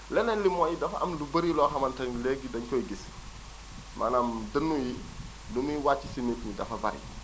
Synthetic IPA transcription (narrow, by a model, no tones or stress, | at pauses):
lɛnɛnlimɔːjidɐfɐʔɐmlubɐɾilɔxɐmɐntɐnleɡidɐɲkɔːɡis | mʔa̰namdənːuji | lumujiwaːt͡ʃːisinitmidɐ̰fɐbɐ̰ɾḭ